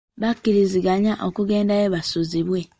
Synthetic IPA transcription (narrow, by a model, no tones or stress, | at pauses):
βakːiɾiziɡaɲaʔokuɡe̞ːndaeβasuziβwe̞